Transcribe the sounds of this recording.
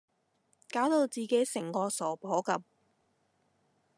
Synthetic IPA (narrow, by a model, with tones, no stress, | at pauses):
kaː˨˥wt̪o˧wt͡siː˨ke˨˥jsɪ˨˩ŋkɔː˧sɔː˨˩pʰɔː˨˥kɐ˧m̚